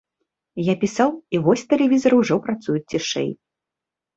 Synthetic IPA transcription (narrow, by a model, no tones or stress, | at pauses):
japʲisawivɔsʲt̪ɛlʲɛvʲizɐɾɐwʐɔpɾat̪sujut͡sʲt͡sʲːiʂɛ̰j